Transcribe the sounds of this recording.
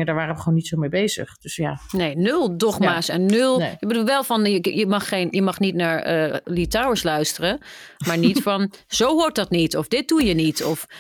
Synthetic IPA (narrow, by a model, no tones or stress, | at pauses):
daːɹʋaːrəʋəχonitsomejbejzə̰χd̥øsjaneːnɵlˠdɔχmaːsɛnːølˠjəbəduːlˠʋɛlˠfɑnəjəmɑχːenjəmɑχnitnaːɹəlitawəɹslœɥstərəmaːɹnitfɑnz̥owɦʊɹt̚dɑtnitɔfdɪt̚dujənitʰɔf